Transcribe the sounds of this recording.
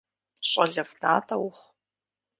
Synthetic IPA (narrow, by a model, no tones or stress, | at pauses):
ɕʷʼɐɮɐvnaːtʰɐwχ